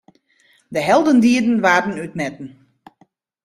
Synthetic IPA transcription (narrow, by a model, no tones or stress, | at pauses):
dəɦɛlˠdəndiədn̩ʋaːrn̩yt̚nɛtn̩